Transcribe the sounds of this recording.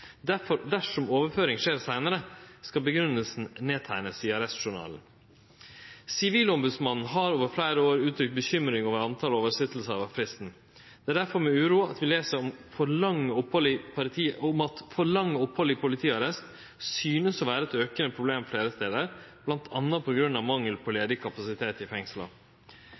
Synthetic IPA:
d̪æfɔɾd̪æʂɔmoːʋəɾføːɾɪŋʂeːɾsæɪnəɾəskɑlbəɡɾʉnːəlsn̩neːt̪ʰæɪnəsɪɑɾɛst̪ʂʊɳɑ̰ːln̩ | sɪʋiːlɔmbʉd̪smɑnn̩ɦɑɾoːʋəɾflæɪɾəoːɾʉːt̪ʰɾʏk̚t̪̚bəçʏmɾɪŋɔʋəɑnt̪ʰɑːloːʋəsɪt̪l̩səɾɑʋɑʋfɾɪst̪n̩ | d̪̥ɛæd̪æɾfɔɾmɛʉːɾuːɑt̪ʋɪleːsəɾɔmfɔɾɭɑŋːəɔphɔlɪpʰɑt̪ʰiːʊmɑt̪fɔɾɭɑŋːəɔphɔlːɪpʰʊlɪt̪ʰiːɑɾɛst̪ | syːnəsɔʋæːɾəɛt̪øːkənəpʰɾʊbleːmfleːɾəst̪eːd̪əɾb̥lɑnt̪ʰɑnːɑpʰɔɡɾʉnːɑʋmɑŋːəlpʰɔleːd̪ɪkʰɑpɑsɪt̪ʰeːt̪ɪfɛŋslɑ̰

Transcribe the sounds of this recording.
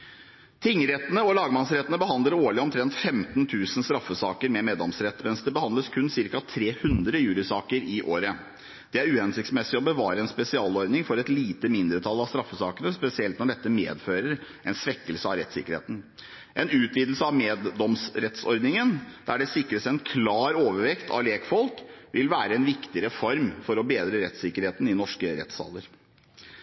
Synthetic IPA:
t̪ʰɪŋːɾɛt̪ːənəɔlɑːɡəmɑnsɾɛt̪ːənəbəɦɑnd̪ləɾoːɭɪɔmt̪ʰɾɛnt̪fɛmt̪nt̪ʰʉːsən̩st̪ɾɑfːəsɑːkəɾmɛmeːd̪ɔmsɾɛt̪ːmɛnsd̪ɛbəhɑnd̪ləskʰʉnsɪɾkɑt̪ʰɾeːhʉnd̪ɾəjʉːlɪsɑːkəɾɪʔoːɾə | d̪̥ɛæɾʉːhɛnsɪkt̪smɛsɪɔbəʋɑːɾəɛnspɛsɪɑːlɔɾd̪nɪŋfɔɾɛt̪liːt̪əmɪnd̪ɾət̪ʰɑlːɑʋst̪ɾɑfːəsɑːkənəspɛsɪɛlt̪nɔɖɛt̪ːəmḛːd̪føːɾəɾ | ʔɛnsʋɛkːəlsəɑʋɾɛt̪sɪkːəɾhḛːt̪n̩ | ʔɛnʉːt̪ʋiːd̪l̩səɑʋmeːd̪ɔmsɾɛt̪sɔɾd̪nɪŋənd̪̥æɖɛsɪkːɾəsɛnkʰlɑːɾoːʋəɾʋɛkt̪ʰɑ̰ʋleːkfɔlkʋʔɪlʋæːɾəɛnʋɪkt̪ɪɾɛfɔɾmfɔɾɔbeːd̪ɾəɾɛt̪sɪkəɾheːt̪n̩ɪnɔʂkəɾɛ̰t̪sɑ̰ːləɾ

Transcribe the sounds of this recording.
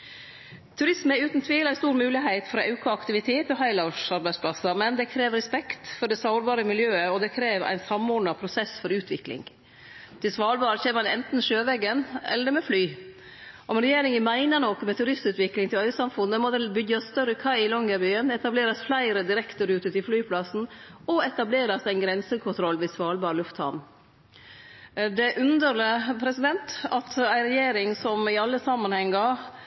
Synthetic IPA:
t̪ʰʉɾɪsmɛʉːt̪nt̪ʰʋiːlæɪst̪uːɾmʉːlɪɦæɪt̪fɾɑʔɑʉkʰʊɑkt̪ɪʋɪt̪ʰeːt̪ɔɦɑɪlɑʂɑɾbæɪspʰlɑsɑmɛnd̪ɛkʰɾeːʋɾɛspɛkt̪fɔɖɛsɑʊɾbɑːɾəmɪljøːəɔd̪ɛkʰɾeːʋæ̰ɪnsɑmoːɖɳɑpʰɾʊsɛsfɔɾʉːt̪ʰʋɪklɪ̰ŋ | t̪ʰɪsʋɑːlbɑːɾəçɛɑnɛ̰nt̪nʃøːʋɛɡənɛ̰lːəɾmɛflyː | ʔɔmɛnɾɛjeːɾɪŋəmæɪnənɔkːmɛt̪ʰʉɾɪst̪ʉːt̪ʋɪklɪŋt̪ʰɪlœʏsɑmfʉnːəmɔd̪ɛlbʏɡːɑsst̪œɾəkʰɑɪɪlɔŋɡəbyːənɛt̪ɑbleːɾɑsflæɪɾəd̪ɪɾɛkt̪əɾʉːt̪ʉt̪ʰɪlflyːpʰlɑsn̩ɔɛt̪ɑbleːɾɑsæɪnɡɾɛnsəkʰʊnt̪ʰɾɔlʋɛsʋɑːlbɑːɾəlʉft̪hɑ̰n | d̪ɛʔʉnd̪əɾɭəpʰɾɛsɪd̪ɛnt̪ɑt̪æɪɾɛjeːɾɪŋsɔmɪɑlːəsɑmːɑnhɛŋːɑ

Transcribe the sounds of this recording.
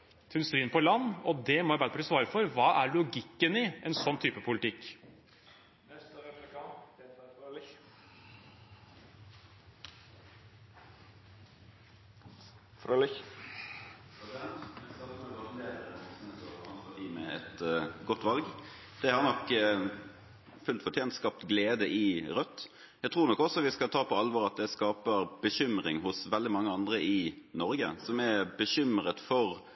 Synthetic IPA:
t̪ʰɛnst̪ɾiːənpʰɔlɑnːɔd̪ɛmɔbæpʰɑʈiːsʋɑːɾəfɔɾʋɑːʔæɾɭʊɡɪkːənɪɛnsɔnːt̪ʰyːpəpʰʊlɪt̪ʰɪkː | ɛst̪ɛplkɑ | fɾl | ɛsɪd̪ɛnt̪ɛskɑlɔɔɡɑʁnt̪ʰeːɾəɔsnɛt̪ʰøːɑnsɑt̪iːmɛɛt̪ɡɔt̪ːʋɑlɡ | d̪̥ɛhɑɾnɔk | fʉlt̪fɔʈ̪ʰjeːnt̪skɑp̚t̪ɡleːd̪əʔɪʁœt̪ː | jæt̪ʰɾuːɾnɔkːɔsɔʋɪskɑlt̪ʰɑːpʰɔɑlʋɔɾɑt̪̚d̪ɛskɑːpəʁb̥əɕʏmɾɪŋɦʊsʋɛld̪ɪmɑŋːəɑnd̪ʁəʔɪ | nɔɾɡə̰sɔmɛbəɕʏmɾət̪fɔʁ

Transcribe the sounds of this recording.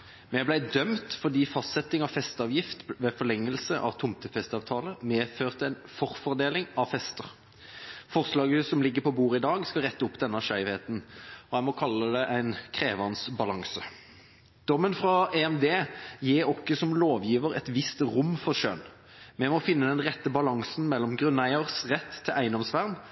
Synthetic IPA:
mɛblæɪd̪œmt̪fɔʁd̪iːfɑst̪sɛt̪ɪŋɑʋfɛst̪ɑʋjɪft̪ʋeːfɔʁlɛŋːəlsəʔɑ̰ʋt̪ʰʊmt̪əfɛst̪ɑːʋt̪ʰɑːləmeːføːʁt̪əæɪnfɔʁfɔʁd̪eːlɪŋɑʋfɛst̪əʁ | fɔʁslɑːɡəəsɔmlɪɡːəpɔbuːʁɪd̪ɑːɡskɑʁɛt̪ːəʊpːd̪ɛnːəʂæɪʋheːt̪n̩ɔæɪmɔkʰɑlːəd̪ɛʔæɪnkʰʁeːʋɑnsbɑlɑŋsə | d̪̥ɔmːənfʁɑeɛmd̪eːjiːʁɔkːəsɔmloːʋjiːʋəʁɛ̰t̪ʋɪst̪ʁʊmːfɔʁʂø̰n | mɛmɔfɪnːəd̪ɛnʁɛt̪ːəbɑlɑŋsn̩mɛlːɔmɡʁʉnːæɪəʁsʁɛt̪ʰːɪlʔæɪnɔmsʋæʁn

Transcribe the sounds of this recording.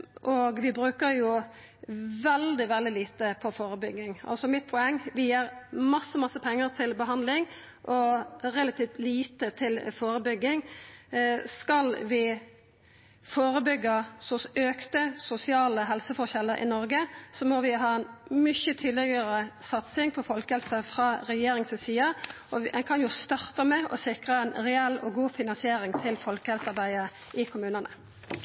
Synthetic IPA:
ʔɔɡʋɪbɾʉːkəɾjʊ | ʋɛld̪ɪʋɛld̪ɪliːt̪əpʰɔfoːɾəbʏɡːɪŋɑ̰lsɔmɪt̪̚pʰʊɛŋːʋɪjiːɾmɑsːəmɑsːəpʰɛŋːəɾt̪ʰɪlbəɦɑnd̪lɪŋ | ʔɔʁɛlɑt̪ʰiːft̪liːt̪ət̪ʰɪlfoːɾəbʏɡːɪŋ | skɑlʋɪ | foːɾəbʏɡːəsɔsøːkt̪əsʊsɪɑːləɦɛlsəfɔʁçɛlːəɾʔɪ̰nɔɾɡəsɔmɔʋɪɦɑːɛnmʏçət̪ʰyːd̪lɪɡəɾəsɑt̪sɪŋpʰɔfɔlkəhɛlsəfʁɑːɾɛjeːɾɪŋssiːə | ɔɛnkʰɑnjʊst̪ɑɾt̪əmɛɔ̰sɪkʁəɛɪnʁɛɛlːɔɡuːfɪnɑnsɪeːɾɪŋt̪ʰɪlfɔlkəhɛlsɑʁbæɪə | ɪkʰʊmʉːnənʔə̰

